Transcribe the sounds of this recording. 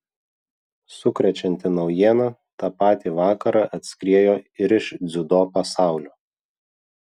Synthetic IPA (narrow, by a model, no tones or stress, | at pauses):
sʊkɾʲɛt͡ʃʲɛnʲt̪ʲɪnɒʊjiɛnɑt̪ɑːpɑːt̪ʲiːʋɑːkɐɾɑʔɐt̪ʲsʲkɾʲiɛjoːɪɾɪʃd̪zʲʊd̪oːpɐsɑˑʊlʲoː